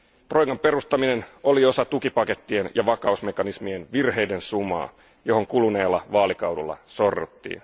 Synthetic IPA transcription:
t̪rojɡɑmpe̞rust̪ɑmineno̞lio̞sɑt̪ukipɑke̞t̪ːienjɑʋɑkɑusme̞kɑnismienʋirhe̞jdensumɑ̰ː | jo̞ɦo̞ŋkuluneːlːɑʋɑːlikɑwdulːɑ̰so̞rːut̪ːḭːn

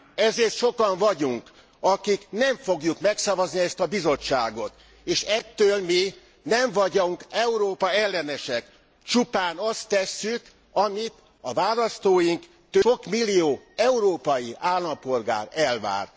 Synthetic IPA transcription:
ɛzeːrt̪ʃo̞kɒɱvɒɟuŋk | ɒkiknɛɱfo̞ɡjukmɛksɒvɒzniɛst̪ɒbizo̞t͡ʃːaːɡo̞t̪ | eːʃɛt̪ːøːlmi | nɛɱvɒɟoŋkɛuɾoːpɒɛlːɛnɛʃɛk | t͡ʃupaːnɒst̪ɛsːyk | ɒmit̪ | ɒvaːlɒst̪oːjiŋk | t̪øokmilːijoː | ɛuɾoːpɒjiʔaːlːɒmpo̞lɡa̰ːɾɛlva̰ːr

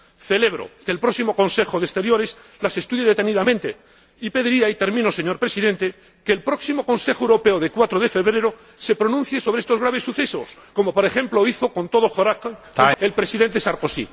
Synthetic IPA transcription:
θe̞le̞βɾo̰keːlpɾo̞ksimo̞ko̞nse̞xoðest̪e̞ɾjo̞ɾe̞s | lase̞st̪uðjeðe̞t̪e̞niðamẽ̞nt̪e | ipe̞ðiɾiait̪e̞ɾmĩnose̞ɲo̞ɾpɾe̞siðẽ̞nt̪e̞ | keːlpɾo̞ksimo̞ko̞nse̞xoewɾo̞pe̞oðekwat̪ɾoð̞e̞fe̞βɾe̞ɾo | se̞pɾo̞nũnθje̞so̞β̞ɾeest̪o̞zɣɾaβ̞e̞sːuθe̞sosko̞mo̞poɾe̞xẽ̞mplo̞iθo̞ko̞nt̪o̞ð̞oxoɾak | elpɾe̞siðe̞nt̪e̞saɾko̞sḭ

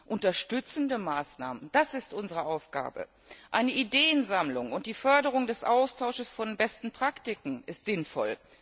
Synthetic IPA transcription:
ʔʊntɐʃtʏt͡sn̩dəmaːsna̰ːmənd̥asɪstʔʊnzəʁəʔaʊfɡ̥a̰ːbə̰ | ʔaɪnəʔideːənzamlʊŋʊnt̚d̥iːfœɐdəʁ̞ʊŋdɛsʔaʊstʰaʊʃəsfɔnbɛstn̩pʁ̥aktɪkŋ̩ɪstz̥ɪnfɔ̰l

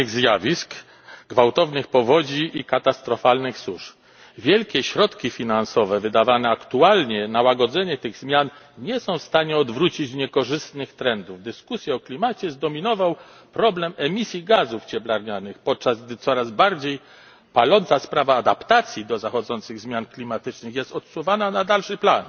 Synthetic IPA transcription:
ɣzjavʲisk | ɡvawt̪ɔvnɘxpɔvɔd͡ʑiːkat̪ast̪ɾɔfalnɘxsuʂ | vʲjɛlkʲɛɕɾɔt̪kʲifʲinansɔvɛvɘd̪avanɛakt̪ualɲɛnawaɡɔd̪zɛɲɛt̪ɘɣzmʲjan | ɲɛsɔ̃w̃fst̪aɲɛɔd̪vɾut͡ɕit͡ɕɲɛkɔʐɘst̪nɘxt̪ɾɛnd̪uvd̪ɘskusʲjɛɔklʲimat͡ɕɛzd̪ɔmʲinɔvaw | pɾɔblɛmɛmʲisʲjiɡazuft͡ɕɛblaɾɲanɘxpɔt̪̚t͡ʂazɡ̚d̪ɘt̪sɔɾazbaɾd͡ʑej | palɔntsaspɾavaːd̪apt̪at̪sʲjid̪ɔzaxɔd̪zɔnt̪sɘɣzmʲjanklʲimat̪ɘt͡ʂnɘxjɛst̪ɔt̪suvananad̪alʂɘplan

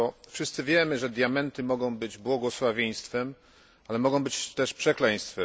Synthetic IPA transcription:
ɔfʂɨst̪sɘvʲjɛmɘʐɛd̪jamɛnt̪ɘmɔɡɔ̃w̃bɘd͡ʑbwɔɡɔswavʲjeɲ̃st̪fɛm | alɛmɔɡɔ̃w̃bɘt͡ɕt̪ɛʂpʂɛklɛɲ̃st̪fɛ

